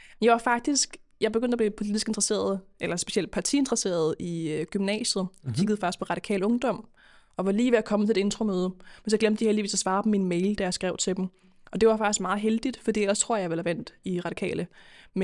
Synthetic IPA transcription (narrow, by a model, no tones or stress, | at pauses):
menjɑ̈ʋɑ̈fɑ̈ɡ̥̚d̥isɡ̥jɑ̈ɪbeɡ̥øn̰d̥æb̥liːpʰo̝lid̥isɡ̥e̝nd̥ʁse̝̰ːɐð̞̩ˠʔelɐsb̥e̝ɕiel̰d̥̚pʰɑ̈t͡sʰiend̥ʁɐse̝̰ːɐð̞ˠiɡ̥ymnɛ̰ːɕð̩ˠɒkʰiɡ̥ð̞̩ˠfɑ̈ɡ̥d̥isɡpʰɒʁɑ̈d̥ikʰɛ̰ːlɔ̽ŋd̥ɒ̽m̰ | ɒ̽ʋɑ̈liːʋeækʰɒ̽mːət͡sʰe̝le̝de̝nt͡sʁomøːð̞ˠəmensjɑɡ̥lemd̥ə̥diheldiʋḭːsɒsʋɑ̈ːbm̩inmeɪld̥æjɑ̈sɡ̥ʁɛʊt͡sʰe̝d̥m̩ | ʔɒ̽d̥e̝ʋɑfɑ̈ɡ̥isɡ̥mɑ̈ːð̩ˠɦeld̥id̥fɒd̥ḭːelɐst͡sʰʁo̝ɐ̰jɑ̈ɪʋelæʋæn̰d̥iʁɑ̈d̥i̥kʰɛ̰ːləm